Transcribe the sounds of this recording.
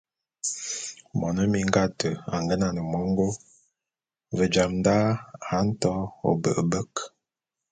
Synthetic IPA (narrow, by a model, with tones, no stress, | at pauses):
mɔ˨nə˦mi˨ŋ˦ɡa˦tə˨a˨ŋɡə˦na˦˨nə˨mɔ˦ŋ˦ɡo˦ | və˨d͡ʒa˨mnda˦a˨˦n̩˦tɔ˦o̰˨bə̰˨ʔə˨bə˦k